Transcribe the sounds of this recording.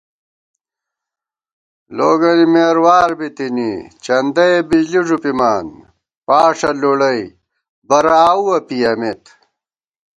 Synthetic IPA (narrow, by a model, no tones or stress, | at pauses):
loːɡɐnimeːɾwaːɾbit̪inḭt͡ɕɐnd̪ɐebid͡ʑliʐupimaːn | paːʂɐluɽɐj | bɐɾaːuɐpijɐmet̪